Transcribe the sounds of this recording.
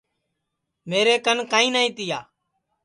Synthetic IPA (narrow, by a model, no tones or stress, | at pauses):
meːɾeːkənkaːĩːnaːĩːt̪ɪjaː